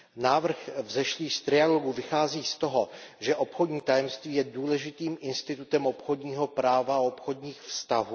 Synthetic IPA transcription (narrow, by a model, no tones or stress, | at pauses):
naːvr̩xvzɛʃliːst̪ɾɪaloɡuvɪxaːziːst̪oɦoʒɛʔo̞pxo̞dɲiːt̪ajɛmst̪viːjɛduːlɛʒɪt̪iːmɪnst̪ɪt̪ut̪ɛmopxo̞dɲiːɦo̞pɾaːvaopxo̞dɲiːxfst̪aɦuː